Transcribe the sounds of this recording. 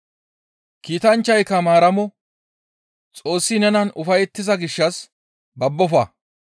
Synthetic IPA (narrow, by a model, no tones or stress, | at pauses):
kiːt̪ɐnt͡ʃːɐjkːɐmaːɾɐmɔ | t͡sʼo̞ːsːɪnɛnɐnʊfɐjɛt̪ːɪzɐɡɪʃːɐs | bɐbːɔfɐ